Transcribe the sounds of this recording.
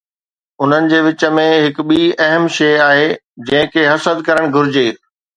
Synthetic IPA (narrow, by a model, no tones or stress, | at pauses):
ʊn̤ənɪ̆d͡ʑeːʋɪt͡ɕə̆mẽɦɪkɓiːɐɦəmʃeːaːɦeːd͡ʑɐ̃ɦɪ̃kʰeɦɐsəd̪kɐɾəɽ̃ɡʱʊɾɪd͡ʑeː